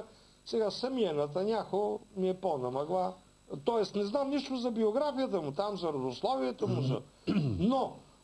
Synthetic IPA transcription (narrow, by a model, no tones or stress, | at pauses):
sɛɡasɐmiɛnɐt̪ɐnʲakomiɛponɐmɐɡlˠa | t̪ɔɛst̪nɛznamniʃt̪ʊzɐbioɡɾafijət̪əmʊt̪amzɐɾɐd̪ʊslˠɔviɛt̪omʊsə̰no